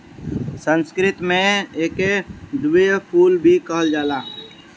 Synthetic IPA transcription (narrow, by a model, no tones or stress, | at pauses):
sə̃nskɾɪt̪mẽeːked̪ujpʰuːlbʱikəɦəld͡ʒaːlaː